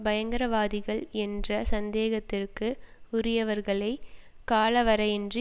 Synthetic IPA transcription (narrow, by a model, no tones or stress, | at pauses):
bɐjɐŋɡɐɾɐʋaːðɪɣɐɭɛndrɐsɐnd̪eːɣɐt̪ːɪrkɯʊɾɪjɐʋɐɾɣɐɭɐɪ | kaːɭɐʋɐɾɐɛndri